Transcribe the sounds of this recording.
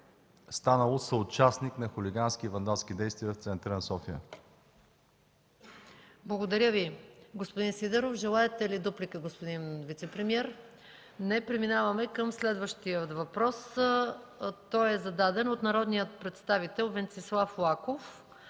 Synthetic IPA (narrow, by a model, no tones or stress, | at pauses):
st̪anəlˠosəʊt͡ʃasniknɐxʊliɡanskivɐnd̪alˠskid̪ɛjst̪vijəft̪sɛnt̪ɾənsɔfiə̰ | blˠɐɡod̪ɐɾʲəviɡospod̪insid̪ɛɾofʒɛlˠaɛt̪ɛlid̪uplikəɡospod̪invit̪sɛpɾɛmiɛɾ | nɛpɾɛminavɐmɛkəmslɛd̪vəʃt̪ijət̪vɐpɾɔs | t̪ɔjɛzɐd̪ad̪ɛnot̪nɐɾɔd̪nijət̪̚pɾɛt̪st̪avit̪ɛlˠvɛnt̪sislˠaflˠakof